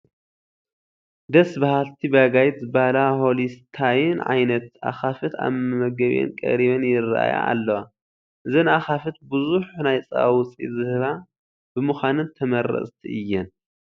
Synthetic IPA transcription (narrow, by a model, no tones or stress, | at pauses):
d̪ɐsbɐhalt̪ʰibaɡajt̪zɨbalaholist̪ʰajɨnʕa̰jnɐt̪̚ʔa̰xafɨt̪a̰βmɐmɐɡɐβ̰ʔɛ̰nkʼɐ̰ɾiβɐnjɪra̰ʔa̰ja̰ːlːɐwa | ʔɨzɐnaxafɨt̪̚bɨzuħnajt͡sʼɐ̰awʊt͡sʼḭzɨhɨβa | b̥ɨmɨxʷanɨnt̪ʰɐmɐɾɐ̰sʼt̪ʰiʔɨjːɛn